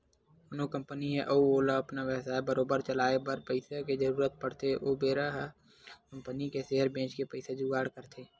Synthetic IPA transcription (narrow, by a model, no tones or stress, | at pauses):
ʊnokə̃mpəniɦɛʔouoːlaɐpnaʋəsaːebəɾoːbəɾt͡ʃəlaːebəɾpəɪseked͡ʒəɾuːɾət̪̚pəɽt̪eʔoːbeːɾəɦ | kə̃mpənikeseɦəɾbẽːt͡ʃkepəɪsed͡ʒuːɡaːɽkəɾt̪ʰeː